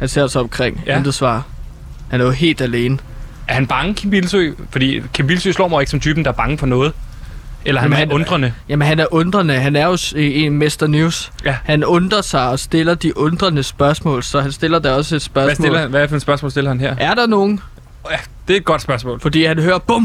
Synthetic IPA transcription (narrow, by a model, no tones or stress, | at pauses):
hænse̝ɐ̰sɑɒ̽mkʰʁeŋ̰end̥ɐsʋɑ̰̈ː | hænæɐjo̝ɦe̝̰ːld̥æle̝ːnə | ʔæɐhænb̥ɑ̈ŋəkʰimb̥ilsyfɒ̽d̥ḭːkʰemb̥ilsyslɒ̰ːmɑe̝ɡ̥sɒ̽mt͡sʰyːb̥n̩d̥ɑ̈æɐb̥ɑ̈ŋəfɒnɔ̽ːð̞̩ˠ | elɐhææɔ̽nd̥ʁɐnəjæmenɦænæɐʔɔ̽nd̥ʁɐnəɦænæɐjo̝emesd̥ɐnuːshænɔ̽nd̥ʁɐsɑ̈ɪɒ̽sd̥e̝lɐd̥iʔɔ̽nd̥ʁɐnəsb̥ɶɐsmɔ̰̽ːlsɒ̽ɦænsd̥e̝lɐd̥ɑɒ̽səe̝d̥sb̥ɶɐssmɔelɐnʋæfnsb̥ɶɐsmɔ̰lsd̥e̝lɐhænɦeɐ̰æɐd̥ɑ̈no̝ːn̩ | jæ | d̥e̝d̚ɡ̥ɒ̽d̥sb̥ɶɐsmɔ̰̽ːlfɒ̽d̥ḭːhænhøːɐb̥ɔm